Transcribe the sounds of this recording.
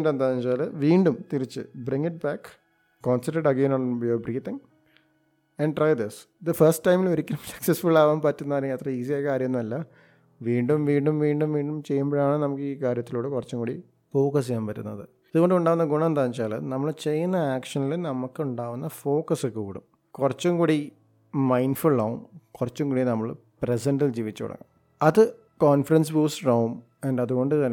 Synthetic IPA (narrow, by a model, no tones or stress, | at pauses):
ndend̪aːɲit͡ɕaːlɨʋiːɳɖumt̪iɾit͡ɕːɨ̰briŋːiʈ̚baːkː | koːnsɐnɐɖɐɡeːnoɳbobriːt̪iŋ | ɐɳɖʈrɐjd̪is | d̪ɐfɐrsʈʈːɐjmiloɾikʲːɐnɐmsɐ̥ksesfuɭːaːʋaːmpaːtːunːaːlet̪rɐiːsijaːjkaːɾjɐnːumɐlːɐ | ʋiːɳɖumʋiːɳɖumʋiːɳɖumʋiːɳɖumt͡ɕe̞jːumboːɻaːɳɨnɐmukːɨiːkaːɾjɐt̪ːiloːɽɨkurɐt͡ɕːɐŋkuːɽi | fo̞ːkɐs̬ijaːmpɐɾːṵnːɐ̰ðɨ | ɐðuɣoɳɖɨuɳɖaːʋunːɐɡuɳɐend̪aːɲit͡ɕːaːlɨ̰nɐmːɐɭt͡ɕe̞jːunːɐaːkʂɐnilunɐmukːɨuɳɖaːʋunːɐfo̞ːkɐsɨkuːɽṵm | kurɐt͡ɕːumŋkuːɽi | mɐjnfuɭːɐːʋṵmkurɐt͡ɕːuŋkuːɽinɐmːɐɭpresɐndild͡ʑiːʋit͡ɕːuɐ̰ɽɐ̰ŋːɐ̰m | ɐðɨ | koːnfɐrɐnsbuːsrɐwum | ɐnɖɐðuɣo̞ɳɖɨt̪ɐnːe